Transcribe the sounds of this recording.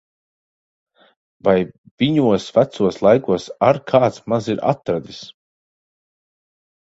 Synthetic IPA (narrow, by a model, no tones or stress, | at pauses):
vaj | viɲuɔsvæt̪suɔslˠajkuɔsaɾkʰaːt̪smaziɾa̰t̪ɾad̪is